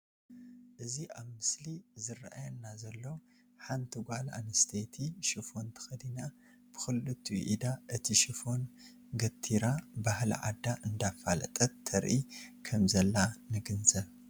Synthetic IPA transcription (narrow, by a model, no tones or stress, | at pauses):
ʔɨziʔaβmɨslizɨrʔa̰jɐnːazɐlːo | ħant̪ʰɨɡʷala̰nɨst̪ʰet̪ʰiʃifo̞nt̪ʰɐ̥xɐd̪ina | b̥ɨxɨlːɨt̪ʰːuʔid̪aʔɨt̪ʰiʃɨfo̞n | ɡɐt̪ʰːiɾabahl̰ʕa̰d̪aʔɨnd̪afalɐ̰t̪ʼɐt̪ʰːɐɾʔikʰɐmzɐlːanɨɡɨnzɐβ